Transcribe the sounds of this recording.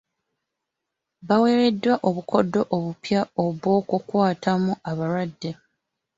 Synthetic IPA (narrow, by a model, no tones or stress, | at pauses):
βawe̞ːɾe̞dːwaʔo̞βukʰo̞dːo̞ʔoβupjao̞βwo̞ːkukwaːtamuaβaɾwadːe̞